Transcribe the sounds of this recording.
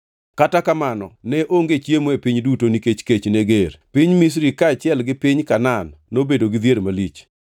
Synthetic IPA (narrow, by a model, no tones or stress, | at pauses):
katakamanɔ̰nɛʔoŋɡet͡ʃjemoepiɲdutoniket͡ʃket͡ʃneɡeɾpiɲmis̬ɾikaːt͡ʃɪɛlɡɪpɪɲkananːobedoɡɪd̪jeɾmalit͡ʃ